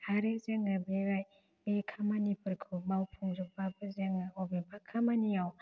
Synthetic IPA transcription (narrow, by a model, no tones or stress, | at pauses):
haɾezeŋabeɾaj | bekʰamanipʰɯɾkʰubawpʰuŋzuk̚babɯzeŋaɔbebakʰamanijaw